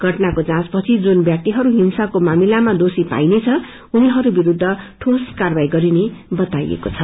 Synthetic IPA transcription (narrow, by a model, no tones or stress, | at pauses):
ɡʱʌʈnakot͡sãt͡spʌt͡sʰid͡zunbjak̚t̪iɦʌɾuɦinsakomamilamad̪osipa̰jnet͡sʰʌ | uniɦʌɾubiɾud̪ʱːʌʈʰoskarbajɡʌɾinebʌt̪ajḛkot͡sʰʌ